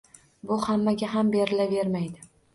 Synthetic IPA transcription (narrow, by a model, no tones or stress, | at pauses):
bʊhamːaɡʲaɦambe̞ɾɪlave̞ɾmajd̪ɪ